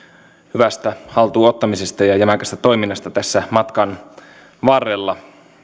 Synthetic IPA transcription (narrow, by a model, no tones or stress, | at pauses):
hyʋæst̪æhɑlt̪uːot̪ːɑmise̞st̪ɑjɑjæmækæst̪æt̪o̞jminːɑst̪ɑt̪æsːæmɑt̪kɑn | ʋɑrːelːɑ